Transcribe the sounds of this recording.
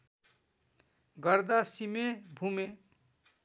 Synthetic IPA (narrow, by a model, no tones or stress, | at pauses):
ɡʌɾd̪asimebʱume